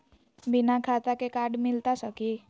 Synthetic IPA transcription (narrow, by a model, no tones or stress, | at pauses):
binakʰat̪akekaɖmilt̪asʌki